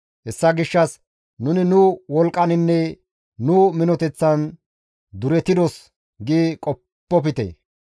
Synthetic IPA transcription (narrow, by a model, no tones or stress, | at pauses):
hɛsːɐɡɪʃːɐs | nʊnɪnʊwɔlkʼːɐnɪnːɛ | nʊmɪnɔt̪ɛt͡sːɐn | d̪ʊɾɛt̪ɪd̪ɔs | ɡikʼɔpːɔp̬ɪt̪ɛ̰